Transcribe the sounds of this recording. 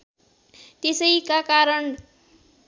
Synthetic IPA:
t̪esʌjkakaɾʌn

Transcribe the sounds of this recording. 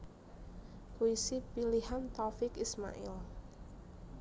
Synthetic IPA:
puisipiliɦant̪ɔfɪkisma̰ʔɪ̰l

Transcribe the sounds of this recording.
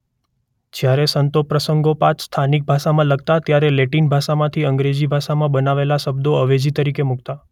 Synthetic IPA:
d͡ʒjaɾesənt̪opɾəsəŋɡopãt͡ʃst̪ʰanik̚bʱaʃamãləɡ̚t̪at̪jaɾeleʈinbʱaʃamãt̪ʰiəŋɡɾed͡ʒibʱaʃamãbənaʋelaʃəbd̪oəʋed͡ʒit̪əɾikemukt̪a

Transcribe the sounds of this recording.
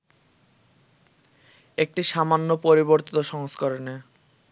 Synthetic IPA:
ek̚ʈiʃamanːopɔɾiboɾt̪it̪oʃɔŋskoɾone

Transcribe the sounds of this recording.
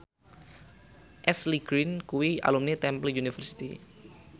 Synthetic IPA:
ʔɛsliɡ̥ɾinkuwia̰lumnet̪ɛmpəlunifərsi̥t̪ḭ

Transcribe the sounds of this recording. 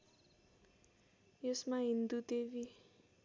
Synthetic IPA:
josmaɦind̪ut̪evi

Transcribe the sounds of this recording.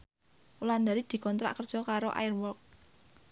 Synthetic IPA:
uland̪aɾid̪̥i̤kɔnt̪ɾa̰ʔkərd̥ʒ̥ɔ̤kaɾoʔa̰jɪrwɔk̚

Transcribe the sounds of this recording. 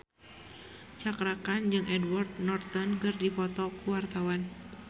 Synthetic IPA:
t͡ʃakɾakand͡ʒɨŋʔɛdward̪̚nɔrt̪ɔnkɨrdifɔt̪ɔkuwart̪awan

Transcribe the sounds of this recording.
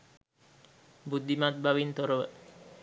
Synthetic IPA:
bud̪imat̪̚bawint̪ɔɾow

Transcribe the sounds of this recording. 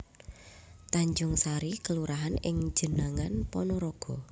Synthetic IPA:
t̪aɲd͡ʒʊŋsaɾikəluɾaɦanɪŋ̥d͡ʒ̥ə̤naŋanpɔnɔɾɔɡ̥ɔ

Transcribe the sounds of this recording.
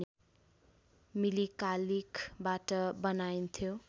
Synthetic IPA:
milikalikbaʈʌbʌnajnt̪ʰjo

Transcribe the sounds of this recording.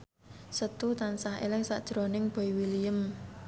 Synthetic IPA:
sət̪ut̪ansaɦḛlɪŋsa̰ʔd̥ʒ̥ɾɔ̤nɪŋb̥ɔ̤iwilijəm

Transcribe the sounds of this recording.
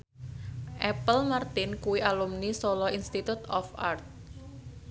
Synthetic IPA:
ʔɛpəlmart̪ɪnkuwiʔalumnisolɔinst̪it̪ut̪ɔ̰fart̪̚

